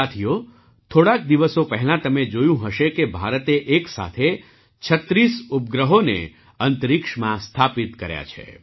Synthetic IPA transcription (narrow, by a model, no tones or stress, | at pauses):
at̪ʰijo | t̪ʰoɽak̚d̪iʋəsopəɦɛlãt̪əmed͡ʒojũɦəʃekebʱaɾət̪eʔeksa̰t̪ʰe | t͡ʃʰət̪ɾisup̚ɡɾəɦonḛ | ənt̪əɾikʂmãst̪ʰapit̪kəɾja̰t͡ʃʰḛ